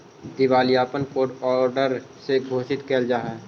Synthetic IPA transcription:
d̪ɪʋaːlijaːpənkoːɖɔːɾɖəɾ | seɡʱoːʃɪt̪keːld͡ʒaːɦɛː

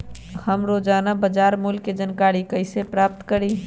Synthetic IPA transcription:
həmɾoːd͡ʒaːnabəd͡ʒaːɾmulked͡ʒənkaːɾikəɪsepɾaːp̚t̪kəɾi

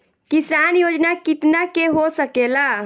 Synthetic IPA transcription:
kisanjod͡ʒnakit̪nakeɦosəkela

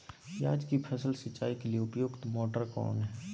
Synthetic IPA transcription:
jaːd͡ʒkipʰəsəlsət͡ʃːaːikelieʊpjoːɡt̪moːʈəɾkɔ̰ːnɦɛː

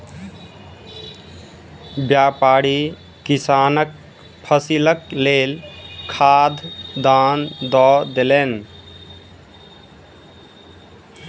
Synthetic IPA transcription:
bjapaɾi | kisanək̚ | pʰəsiləklelkʰad̪ʱd̪and̪ɔd̪elen

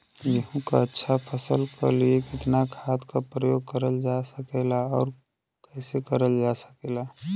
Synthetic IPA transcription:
jəɦũka̰ətːʃʰapʰəsəlkʰa̰liekɪt̪nakʰaːt̪kapɾəjoːɡ̚kəɾəld͡ʒasəkeːlaɔːɾ | kɛːsekəɾəld͡ʒaːsə̥keːlaː

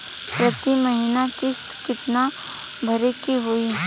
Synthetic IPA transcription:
pɾɐt̪imɐɦiːnakɪst̪kɪt̪na | bʱɐɾekiɦʊiː

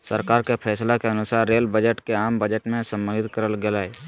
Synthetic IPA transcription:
səɾkaːɾkepʰɛːslakeɐnʊsaːɾːeːlbəd͡ʒəʈkeaːmbəd͡ʒəʈmẽsə̃mbənɪt̪kəɾəlɡelaːeː

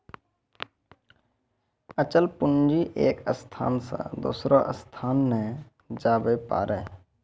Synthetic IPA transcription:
ət͡ʃəlpʊnd͡ʒiʔeːkəst̪ʰa̰ːnsa̰d̪o̰ːsɾoʔəst̪ʰaːnːẽ | d͡ʒaːbəpa̰ːɾɛː

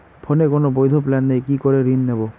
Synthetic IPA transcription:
pʰonekonobojd̪ʱoplanːejkikɔɾeɾinːebɔ

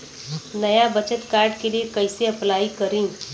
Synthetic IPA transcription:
nəjabət͡ʃət̪kaɾɖkeliekəjseəplaikəɾĩ

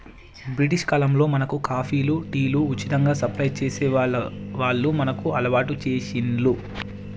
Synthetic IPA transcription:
bɾiʈ̬iʂkaːlɐmlo̞ːmɐnɐkukaːpʰiːluʈiːluːt͡ʃːit̪ɐŋɡaːsɐpɾɐjt͡ʃeːseʋaːɭːumɐnɐkuɐlɐʋaːʈut͡ʃeːʃinlu

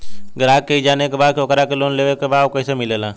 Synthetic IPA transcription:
ɡɾaːkːeid͡ʒaːnekebaːd̪̚kʰoːkɾakeloːnleːʋekebaːkəːsemɪlelaː

